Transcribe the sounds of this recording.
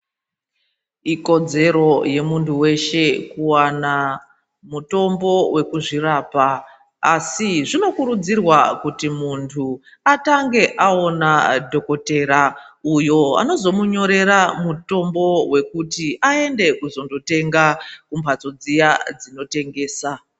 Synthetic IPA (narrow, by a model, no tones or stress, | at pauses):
iko̞d͡ze̞ɾo̞je̞muntʰuwe̞ʃe̞kuwana | muto̞mbo̞we̞kuʐiraːpaː | siʐino̞kuɾud͡zirwakutimuntʰu | ataŋɡe̞ʔao̞nadʱo̞ko̞te̞ɾaujo̞a̰no̞zo̞muɲo̞ɾe̞ɾamuto̞mbo̞we̞kutiaende̞kuzo̞ndo̞te̞ŋɡakumpʰat͡so̞d͡zijad͡zino̞te̞ŋɡe̞ːsa